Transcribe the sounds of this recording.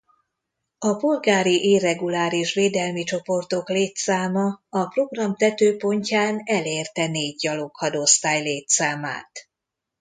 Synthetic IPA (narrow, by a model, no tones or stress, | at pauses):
ɒpolɡaːɾiʔeːrɛɡulaːɾiʃʋeːd̪ɛlmit͡ʃo̞po̞rt̪o̞kleːt̪saːmɒɒpro̞ɡrɒmt̪ɛt̪øːpo̞ɲcaːnɛleːrt̪ɛneːɟjɒlokhɒd̪ost̪aːjleːt̪saːma̰ːt̪